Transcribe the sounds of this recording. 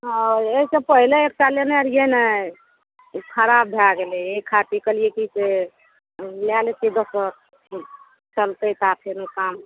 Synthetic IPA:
ɦeisẽpəɦileek̚t͡ʃaljeneɾjenə | kʰəɾabbʱelaɡeleekʰaʈikəlijekise | ljaletid̪osəɾ | t͡ʃəlt̪ət̪ap̪ʰenukam

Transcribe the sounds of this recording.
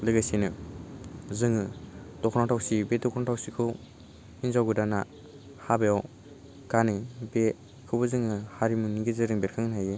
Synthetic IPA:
lɯɡajsinɯ | zɯŋɯdɔkʰɔnatʰawsibedɔkʰɔnatʰawsikʰɯw | inzawɡɯdana | habejaw | kanɯjbe | kʰɯbɯzɯŋɯhaɾimuniɡizɯɾɯŋbeɾkʰɯŋnajɯ

